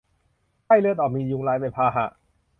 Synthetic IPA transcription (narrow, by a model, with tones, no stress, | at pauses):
kʰa˥˩jlɯ˧ət̪̬ɔː˨˩miː˧ju˧ŋlaː˧jmpa˧jpʰaː˧ɦa̰˨˩ʔ